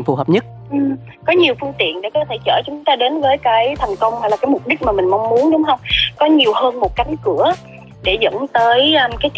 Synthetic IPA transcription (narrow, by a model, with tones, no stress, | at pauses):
ŋfṵ˧˩ɦəː˨˩p̚ɲə˦˥t̚ | ʔɨ˨˩ | kɔ˨˦ɲi˨˩əwfɨ˧əŋt̪ḭ˧˨ənɗe˧˩kɔ˨˦t̪ʰe˧˩t͡ɕə̰ː˧˩t͡ɕʊ˨˦ŋ͡mt̪aː˧ɗe˨˦nvəː˨˦jkaː˨˦jt̪ʰɛ˨˩jŋ̟kə˧wŋ͡mhaː˧˩la˨˩kaː˨˦jmʊ˨˩p̚ɗï˦˥k̚maː˨˩mï˨˩ŋ̟mɔa˧wŋ͡mmu˨˦ənɗʊ˨˦ŋ͡mɦə˧wŋ͡mkɔ˨˦ɲi˨˩əwhəː˧nmo˨˩t̚ka˨˦ŋkɨ˧˩ə | ɗe˧˩zə̰˧˥ŋt̪əː˨˦jkaː˨˦jk